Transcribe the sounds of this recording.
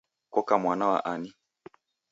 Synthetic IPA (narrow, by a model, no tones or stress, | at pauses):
kɔkamwanawa̰ʔani